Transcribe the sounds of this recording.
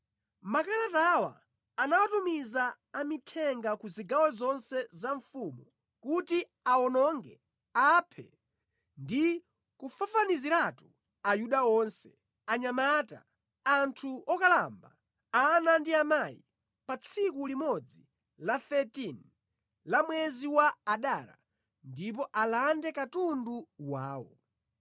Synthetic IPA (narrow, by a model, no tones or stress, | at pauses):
makalatawa̰ː | nawatumizaː | mitʰɛŋɡakuziɡawɛzɔnsɛzaɱfumu | kuti | aɔnɔŋɡɛ | apʰɛ̰ | ndi | kufafaniziɾatu | ajuɗaɔnsɛ̥ | aɲamata̰ | antʰuɔkalamba | anandiamaḭ | pat͡sʰikulimɔd͡zi | laθɛtin | lamwɛziwaːɗala̰ | ndip̬ɔʔalandɛkatunduwa̰ːwɔ̰